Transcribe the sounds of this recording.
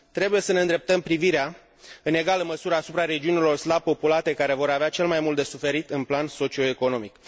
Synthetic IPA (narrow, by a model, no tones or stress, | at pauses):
t̪ɾe̞buje̞səneɨnd̪ɾep̚t̪əmpɾiviɾea | ɨne̞ɡaləməsuɾəːsupɾaɾe̞d͡ʒiunilo̞rslab̚po̞pulat̪e̞kaɾe̞vo̞ɾaveat͡ʃe̞lmajmult̪d̪e̞sufe̞ɾit̪ɨnplanso̞t͡ʃio̞eko̞no̞mik